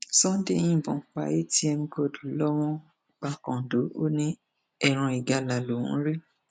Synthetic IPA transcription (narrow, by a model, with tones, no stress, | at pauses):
sɔ̃˦dẽ˦˨˦ĩ˦˨bɔ̃˨k͡pa̰˨je˦ti˦ɛ˧mĩ˧ɡɔ˧˨du˨˦lɔ˦w̃ɔ̃˦ | k͡pa˧kɔ̃˨do˨˦o˦nĩ˦ | ɛ˨ɾ̃ã˧i˨ɡa˨˧la˨lo˨ṵ̃˦ɾi˦